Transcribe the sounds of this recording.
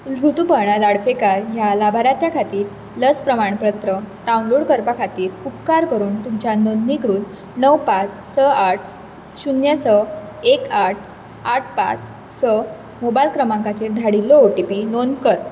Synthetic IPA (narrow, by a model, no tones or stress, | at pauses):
ɾut̪upəɾɳalaɽfekaɾjalabʱaɾat̪jakʰat̪iːɾ | ləspɾəmaɳpɾət̪ɾəɖaunloɽkəɾpakʰat̪iːɾup̚kaɾkəɾuːnt̪umt͡ɕjanonːikɾuːn | nəwpat͡s | səaʈ̚ʰ | ɕunjəsə | ekaʈ̚ʰ | aʈ̚ʰpa̰t͡s | sə | mobajlkɾəmãŋkat͡ɕeɾd̪ʱaɽilːɔoʈipinonkəɾ